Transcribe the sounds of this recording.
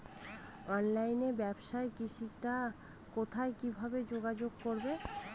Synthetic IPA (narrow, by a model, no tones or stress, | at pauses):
ɔnlajnebɛbʃaekiʃikʈa | kot̪ʰaekibʱabed͡ʑoɡad͡ʑoɡkoɾbe